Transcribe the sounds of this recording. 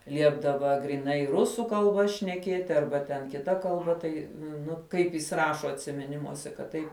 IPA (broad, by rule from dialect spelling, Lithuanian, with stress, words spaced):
ˈlʲiɛbdɐʋɐ ɡrʲiːˈnɐɪ ˈrʊsuː kɐlˠˈbɐ ʃʲnʲɛˈkʲiɛtʲɪ ˈɐrbɐ tʲɛn kʲɪˈtɐ kɐlˠˈbɐ ˈtɐɪ ˈnʊ ˈkɐɪp jɪs ˈrɑːʃoː ɐtʲsʲɪmʲɪˈnʲɪmuɔsʲɛ kɐt ˈtɐɪp